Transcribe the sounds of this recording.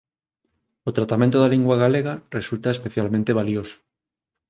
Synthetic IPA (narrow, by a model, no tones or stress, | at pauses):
ot̪ɾat̪amẽnt̪oðaliŋɡwaɣaleɣaresult̪aespeθjalmẽnt̪eβ̞alioso̥